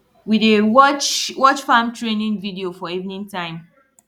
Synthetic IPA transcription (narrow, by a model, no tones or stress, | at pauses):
widewɔt͡ʃwɔt͡ʃfãmtɹenĩnvidiofɔivnĩntãɪ̃m